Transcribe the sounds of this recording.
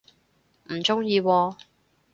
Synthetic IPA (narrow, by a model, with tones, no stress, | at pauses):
m̩˨˩t͡sʊ˥ŋjiː˧wɔː˧